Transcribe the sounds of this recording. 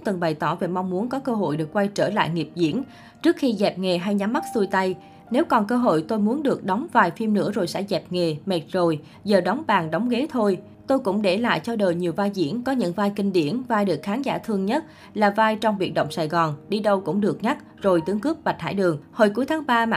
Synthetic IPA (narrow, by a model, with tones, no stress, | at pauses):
ŋ͡mt̪ɨ˨˩nɓa˨˩jt̪ɔ˧˩ve˨˩m˧wŋ͡mːu˨˦ənkɔ˨˦kəː˧ɦo̰˧˨jɗɨ˨˩ək̚kwa˧jt͡ɕəː˧˩la̰ː˧˨jŋi˨˩əp̚zḭ˧˥ən | t͡ɕɨ˦˥ək̚xi˧zɛ˨˩p̚ŋe˨˩ɦa˧jɲa˨˦mːa˦˥t̚su˧jt̪a˧j | ne˨˦wkɔ˨˩nkəː˧ɦo̰˧˨jt̪o˧jmu˨˦ənɗɨ˨˩ək̚ɗɔ˨˦wŋ͡mvaː˨˩jfi˧mnɨ̰˧˥əzo˨˩jsɛ̰˧˥zɛ˨˩p̚ŋe˨˩mɛ˨˩t̚zo˨˩j | zəː˨˩ɗɔ˨˦wŋ͡mɓaː˨˩ŋɗɔ˨˦wŋ͡mɣe˨˦t̪ʰo˧j | t̪o˧jkʊ̰˧˥ŋ͡mɗe˧˩la̰ː˧˨jt͡ɕɔ˧ɗəː˨˩jɲi˨˩əwvaː˧jzḭ˧˩ənkɔ˨˦ɲɨ̰˧˥ŋvaː˧jkï˧ŋ̟ɗḭ˧˨ənvaː˧jɗɨ˨˩ək̚xaː˨˦nza̰ː˧˩t̪ʰɨ˧əŋɲə˦˥t̚ | laː˨˩vaː˧jt͡ɕɔ˧wŋ͡mvḭ˧˨˩nɗə̰˧˨wŋ͡msaː˨˩jɣɔ˨˩nɗi˧ɗə˧wkʊ̰˧˥ŋ͡mɗɨ˨˩ək̚ɲa˦˥k̚ | zo˨˩jt̪ɨ˨˦əŋkɨ˦˥p̚ɓa˨˩t̚ha̰ː˧˩jɗɨ˨˩əŋho˧˩jku˨˦əjt̪ʰaː˨˦ŋɓaː˧ma̰˧